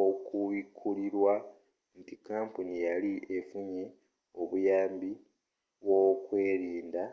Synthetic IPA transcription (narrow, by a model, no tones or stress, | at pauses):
okuβikʰːuliɾwa | ntikːaːmpunijaliʔe̞fuɲe | o̞βujaːmbi | βwo̞kwe̞ːɾiːnda